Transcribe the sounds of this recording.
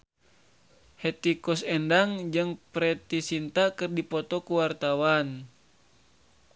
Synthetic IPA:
hɛt̪ikɔsɛndaŋd͡ʒɨŋpɾɛt̪isint̪akɨrdipɔt̪ɔkuwart̪awan

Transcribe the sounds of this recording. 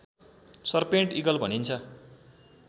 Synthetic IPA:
sʌrpeɳʈiɡʌlbʱʌnint͡sʰʌ

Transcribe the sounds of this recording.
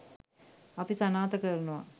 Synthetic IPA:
ɐpisɐnaːt̪ɐkərnuʋa̰

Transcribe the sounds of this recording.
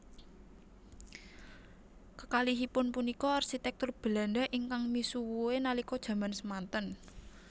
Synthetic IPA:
kəkaliɦipʊnpunikɔarsit̪ɛk̚t̪ʊrb̥ə̤landaʔiŋkaŋmisuwuenalikɔd̥ʒ̥ä̤mansəmant̪ən

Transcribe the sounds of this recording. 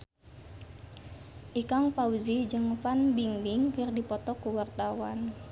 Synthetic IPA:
ʔikaŋpauzid͡ʒəŋfanbiŋbɪŋkərdipɔt̪ɔkuwart̪awan

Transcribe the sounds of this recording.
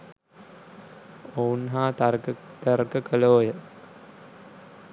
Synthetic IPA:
ownɦaːt̪ərkəkəloːjə

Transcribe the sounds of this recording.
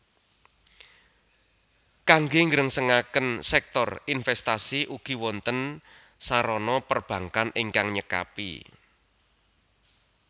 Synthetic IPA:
kaŋɡeŋɡəɾəŋsəŋakənsɛk̚t̪ɔrinfɛst̪asiʔuɡ̥i̤wɔnt̪ən | saɾɔnɔpərb̥ä̤ŋkanʔɪŋkaŋɲəka̰pḭ

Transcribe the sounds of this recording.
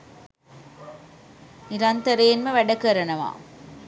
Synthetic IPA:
niɾɐnt̪ɐɾejːnməʋæɖɐkɐɾɐnɐʋa̰ː

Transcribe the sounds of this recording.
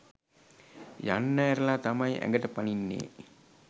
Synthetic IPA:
ja̰nːæːɾəlaːt̪ɐmɐjʔæ̰ŋɡəʈəpaninːḛː

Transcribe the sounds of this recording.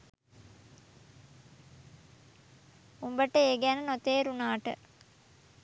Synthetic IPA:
umbəʈəeːɡænənot̪eːɾunaːʈə̰

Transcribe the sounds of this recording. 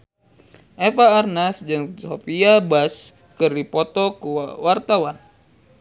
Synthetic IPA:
ʔefaːrnasd͡ʒɨŋsofiabas | kɨrdipɔt̪ɔkuwart̪awan

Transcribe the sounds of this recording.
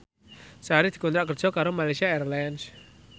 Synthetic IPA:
saaɾid̪̥i̤kɔnt̪ɾaʔkər̥ʒ̥ɔ̤kaɾomalajsiaɛɾlɛns

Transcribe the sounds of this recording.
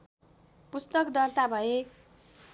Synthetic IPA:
pust̪ʌkd̪ʌt̪abʱʌe

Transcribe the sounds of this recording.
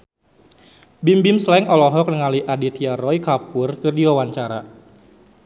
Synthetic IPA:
bimbimslɛŋɔlɔɦɔk̚nəŋaliʔadit̪iarɔikapʊrkɨrdiwawaɲt͡ʃaɾa̰

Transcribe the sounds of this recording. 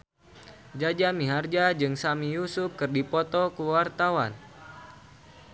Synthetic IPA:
d͡ʒad͡ʒamiɦard͡ʒad͡ʒɨŋsamijusʊp̚kɨrdipɔt̪ɔkuwart̪awan

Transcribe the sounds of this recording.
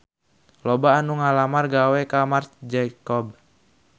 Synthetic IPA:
lɔbaːnuŋalamarɡawɛkamartd͡ʒaikɔb̚

